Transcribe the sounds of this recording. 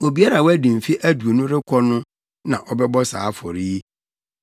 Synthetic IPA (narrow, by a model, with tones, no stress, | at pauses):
o˨bi˨˦a˦ɾa˨wæ˦dĩ˨m̩˨fi˦ʔæ˦du˨o˨nũ˦ɾɪ˦kʰɔ˦nʊ̃˦ | nã˨ʔɔ˦bɛ˦bɔ˦sa̰ː˨˦fɔ˨ɾi˦i˦